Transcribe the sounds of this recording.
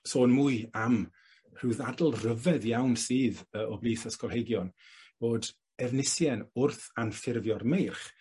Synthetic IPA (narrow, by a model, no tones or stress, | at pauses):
soːnmuɨam | r̥uwðadl̩ˠrəvɛðjawnsiːðəɔbliːθəskɔlˠhejɡjɔn | v̥oːd | ɛvnɪsjɛnʊrθanfɪrvjɔrmejrχ